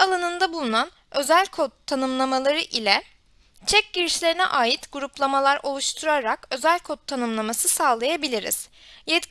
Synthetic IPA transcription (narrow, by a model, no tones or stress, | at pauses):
alˠanɯnd̪abulˠunan | ø̞zælʲkʰot̪ʰːanɯmlˠamalˠaɾɯʔilʲɛ | t͡ʃʰɛc̚ɟiɾiʃlʲe̞ɾinɛ̰ʔaːjit̪ɡuɾuplˠamalˠaɾʔo̞lˠuʃt̪ʰuɾaɾakø̞zælʲkʰot̪ʰːanɯmlˠamasɯsaːlˠajabilʲiɾḭz̥ | jɛt̪